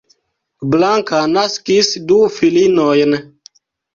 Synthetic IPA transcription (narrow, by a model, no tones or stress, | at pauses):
blaŋkanaskisdufilinojn